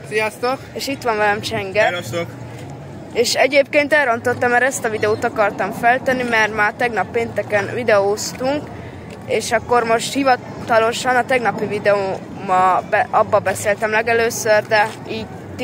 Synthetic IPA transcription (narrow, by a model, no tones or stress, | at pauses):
sijast̪okeːʃit̪ʋɒɱvɛlɛmt͡ʃɛŋɡɛso | eːʃɛɟeːpkeːnt̪ɛlrɾont̪ot̪ːɒmːɛɾɛst̪ɒvid̪ɛoːt̪ɒkɒrt̪ɒɱfɛlt̪ɛnːimɛrmaːt̪ɛɡnɒpːeːnt̪ɛkɛnvid̪ɛoːst̪uŋk | eːʃɒkːo̞rmo̞ʃt̪hivɒ | t̪ɒlo̞ʃɒnɒt̪ɛɡnɒpivid̪ɛoː | mɒbɒbːɒbɛseːlt̪ɛmlɛɡɛløːsørd̪ɛ | iːɟ | t̪